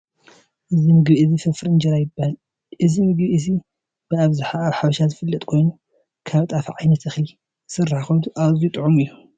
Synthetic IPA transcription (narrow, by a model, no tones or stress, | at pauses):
ʔɨzimɨɡbiʔɨzifɐfɾɨnd͡ʒɐɾajɪbːahal | ʔɨzimɨɡbiʔɨzi | b̥ɨaβzuħaaβħaβɐʃazɨfɨlːɐt̪ʼkʰo̞jnu | kʰaβt̪ʼafʕajnɐt̪ʰɨxli | sɨrːaħxɐd̪uʔazijut̪ʼɨʕumɨjːu